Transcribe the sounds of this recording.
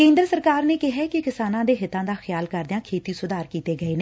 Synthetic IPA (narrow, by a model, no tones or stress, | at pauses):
kẽːnd̪ɾəsəɾkaːɾneːkɪɦɛːkɪkɪsaːnãːd̪eːɦɪt̪ãːd̪aːxɪjaːlkəɾd̪ɪjãːkʰeːt̪iːsʊd̪aːɾkiːt̪eːɡəeːne